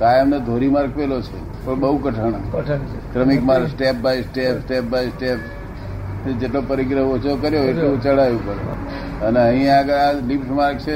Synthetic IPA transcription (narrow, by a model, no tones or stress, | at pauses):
kajəmned̪ʱoɾimaɾkʋelot͡ʃʰe | pəɳbəɦukəʈʰəɽ̃ʰ | kɾəmikmaɾsʈep̚bajsʈepsʈep̚bajsʈepʰ | d͡ʒeʈlopəɾiɡɾəɦot͡ʃʰokəɾjoetũt͡ʃəɽajũkəɾo̰ | əneəɦĩaɡəɾalipʈmaɾk̚t͡ʃʰe